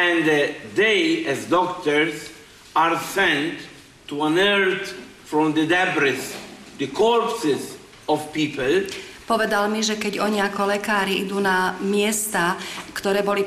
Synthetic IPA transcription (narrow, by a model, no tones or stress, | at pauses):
ɛ̃nd̪əd̪ejɛzd̪ɔkt̪əɾz | aɾsɛ̃nt̪ː | uãnɛɾt̪fɾɔ̃md̪əd̪ɛbɾɪs | d̪əkʰɔɾpsɪz | ɔvpiːpəlpɔʋɛd̪almiʒɛkɛɟɔɲiakɔlɛkaːɾiid̪uːnamɪɛst̪akt̪ɔɾɛːbɔli